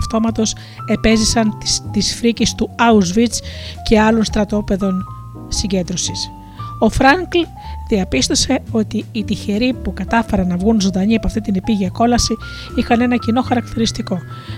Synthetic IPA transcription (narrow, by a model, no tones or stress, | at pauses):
ft̪o̞mɐt̪o̞s | e̞pe̞zisɐnt̪isfɾicest̪uɐuzvit͡sce̞ɐlo̞nst̪ɾɐt̪o̞pe̞ðo̞n | siɲɟe̞nd̪ɾo̞sis | o̞fɾɐŋkl | ðiɐpist̪o̞se̞o̞t̪iːt̪içe̞ɾipukɐt̪ɐfe̞ɾɐnːɐvɣunzond̪ɐɲiɐpɐft̪it̪inepiʝiɐko̞lɐsi | ixɐne̞nɐcino̞xɐɾɐkt̪iɾist̪iko̞